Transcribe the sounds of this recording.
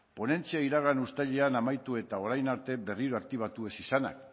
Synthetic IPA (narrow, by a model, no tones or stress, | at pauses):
po̞ne̞nt͡siaiɾaɣ̞anust̪aʎe̞anamajt̪ue̞t̪ao̞ɾajnaɾt̪e̞be̞riɾo̞ak̚t̪iβ̞at̪ue̞sisana̰k